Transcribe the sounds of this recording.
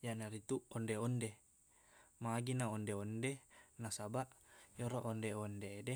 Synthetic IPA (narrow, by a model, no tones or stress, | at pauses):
jaʔnaɾit̪uʔɔndeonde | maɡinaondeondenasabaʔjoɾoʔondeondeːde